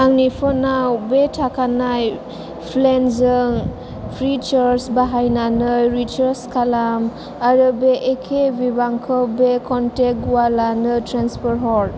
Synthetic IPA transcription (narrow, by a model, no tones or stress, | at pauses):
aŋnipʰɔnawbetʰakʰanaj | pʰlenzɯŋ | pʰɾit͡ʃɔɾsbaɦajnanɯjɾit͡ʃəɾskʰalam | aɾɯbeʔːkʰebibaŋkʰɔbekɔntek̚uwalanɯtɾanspʰɔɾɦɔɾ